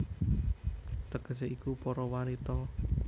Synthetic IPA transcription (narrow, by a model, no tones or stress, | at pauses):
t̪əɡ̥əseʔikupɔɾɔwanit̪ɔ